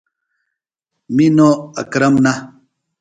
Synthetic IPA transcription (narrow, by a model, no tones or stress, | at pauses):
minoɐ̰kɾɐmna